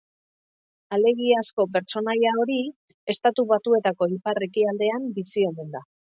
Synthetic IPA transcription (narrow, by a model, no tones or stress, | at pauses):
ale̞ɣiasko̞pe̞ɾt͡ʃo̞najao̞ɾi | e̞st̪at̪uβat̪ue̞t̪ako̞ipare̞kiald̪e̞ambisio̞mend̪a